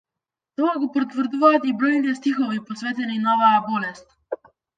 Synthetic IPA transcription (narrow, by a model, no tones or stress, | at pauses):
t̪ɔaɡɔpɔɾt̪vɾd̪uvaːt̪ibɾɔjnit̪ɛst̪ixɔvipɔsvɛt̪ɛninɔvajabɔlɛst̪